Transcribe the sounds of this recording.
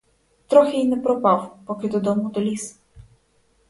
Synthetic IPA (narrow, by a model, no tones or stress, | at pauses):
t̪ɾɔxɛinɛpɾɔpawpɔkʲid̪ɔd̪ɔmud̪ɔlʲis